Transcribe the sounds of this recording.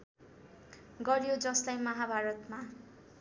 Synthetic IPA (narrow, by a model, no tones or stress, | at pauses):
ɡʌɾjod͡zʌslajmʌɦabʱaɾʌt̪ma